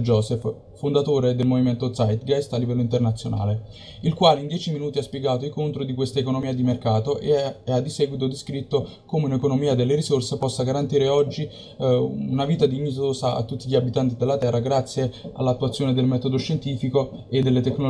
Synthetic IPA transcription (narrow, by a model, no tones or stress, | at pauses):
d͡ʒɔːsɛf | fond̪at̪oːɾed̪elmoviment̪ot̪sajt̪ɡast̪alːivɛlːoint̪ernat̪sːjona̰ːle | ilkwaːleind̪jɛːt͡ʃiminuːt̪iaspjeɡaːt̪oikont̪ɾod̪ikwest̪aekonomiːad̪imerkaːt̪oʔḛad̪isɛːɡwit̪̬od̪iskɾit̪ːo | komeunekonomiːad̪elːeɾisorsepɔsːaɡaɾant̪iːɾeɔd͡ʒːi | unaviːt̪ad̪iɲit̪oːsaʔa̰t̪ːut̪ːiʎːiabit̪ant̪̬id̪elːat̪ɛrːaɡɾat̪sːjea̰lːat̪ːuat̪sːjoːned̪elmɛːt̪od̪oʃːent̪iːfikoed̪ːelːet̪ekːno